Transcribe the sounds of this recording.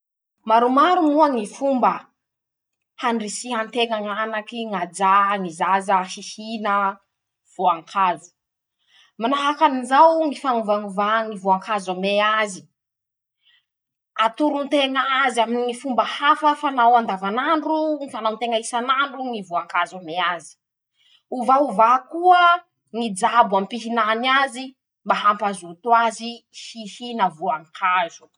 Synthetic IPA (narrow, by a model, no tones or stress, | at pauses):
maɾumaɾumuaŋifumbə | hanrisiɦant̪eŋaŋanakiŋad͡ʒaŋizazəhihinə | v̥oaŋkʰazu̥ | manaɦakaninzawŋifanuvaŋuvaŋivuaŋkʰazameazi̥ | at̪uɾunt̪eŋaaziaminifumbəhafəfanawand̪avanaɳɖ͡ʐuŋifanawnt̪eŋaisanaɳɖ͡ʐuŋivuaŋkazameazi̥ | uvauvakuə | ŋid͡zabampiɦinanazi | mbaɦampazut̪wazihihinavuaŋkʰazu̥